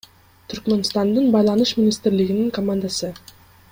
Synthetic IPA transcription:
t̪ʰyɾkmenst̪ɑnd̪ɯnbɑjlˠɑnuʃmʲinʲist̪ɪɾliɡiniŋkomand̪asɯ

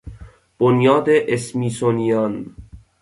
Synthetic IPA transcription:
b̥onjɒːd̪eʔesmiːsonijɒn

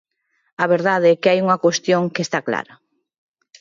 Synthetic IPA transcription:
aβeɾðaðeɛkeajuŋakwest̪joŋkest̪akla̰ɾɐ

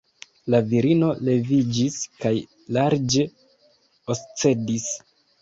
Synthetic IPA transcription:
laviɾino̞le̞vid͡ʒiskaj | laɾd͡ʒe̞ | ost͡se̞dis

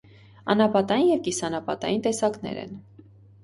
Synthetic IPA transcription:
ɑnɑpɑt̪ɑjinjɛvkisɑnɑpɑt̪ɑ̰jint̪ɛsɑknɛ̰ɾɛ̰n

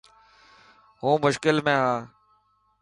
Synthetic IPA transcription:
ɦũːmʊʃkɪlmẽːɦãː

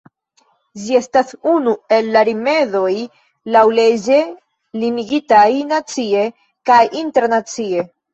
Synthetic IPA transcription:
d͡ʒie̞stasunue̞lːaɾime̞ðo̞j | lawle̞d͡ʒe̞ | liniɡitajnat͡sie̞ | kajʔinteɾnat͡sie̞

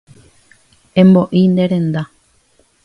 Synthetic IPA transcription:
ẽ̞mbo̞ʔind̪e̞ɾẽ̞nd̪a

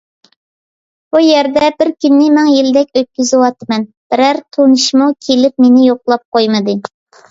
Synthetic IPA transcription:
b̥ujɛɾd̪ɛbɪɾkʲynːɪmɛŋjilɪd̪ɛkʲøt̪̚kʲyzɪwɑt̪ːmɛn | b̥ɪɾæɾt̪ʰonɨʃmukʲʰelɪp̚menɪjoqlˠɑp̚qʰojmɨd̪ɨ

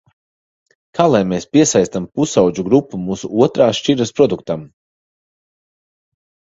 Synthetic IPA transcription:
kaːlˠajmeːspʲiɛsajst̪ampusawd͡ʒuɡɾupːumuːsuuɔt̪ɾaːʃt͡ʃiɾɐspɾɔd̪uk̚t̪am

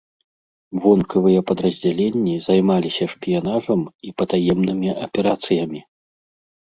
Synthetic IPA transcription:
vɔnkʰɐvɨjɐpɐd̪ɾɐzʲd͡zʲalʲenʲːizajmalʲisʲɐʂpʲijan̪aʐɐmipɐt̪ajɛmnɨmʲiʔɐpʲɛɾat̪sɨjɐmʲi

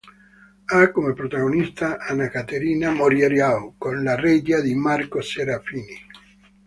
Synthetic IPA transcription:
akːomepɾot̪aɣonist̪aʔanakat̪eɾiːnamoɾjeɾjawkonlared͡ʒad̪imarkoseɾafiːni

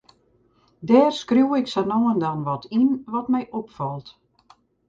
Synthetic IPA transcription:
dɛːrskrjuwɪksənoːəndanʋɔtʰinʋɔtmɛjʔɔpfɔlˠt

